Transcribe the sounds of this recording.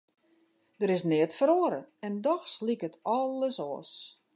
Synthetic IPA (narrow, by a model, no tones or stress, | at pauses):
dəɾɪsnɪətfəɾoəɾəɛndɔxslikətʰɔləsɔːs